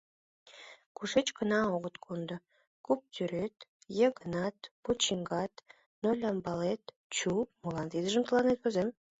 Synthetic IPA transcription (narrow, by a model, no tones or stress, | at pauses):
kuʃet͡ɕkə̆nɑoɣət̪kʰond̪ə̆ | kup̚t̪ʲyɾet̪ | jeɣənɑt̪̚put͡ɕiŋɡɑt̪ | nolʲɑmbɑlet̪ | t͡ɕumulˠɑnt̪id̪əʒəmt̪əlˠɑnet̪̚vozem